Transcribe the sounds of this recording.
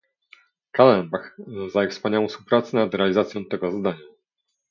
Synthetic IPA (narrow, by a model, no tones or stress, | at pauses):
kalɛnbaxzaɛkfspaɲawɔ̃fspuwpɾat̪sɛnad̪ɾɛalʲizat̪sʲjɔ̃w̃t̪ɛɡɔzad̪aɲa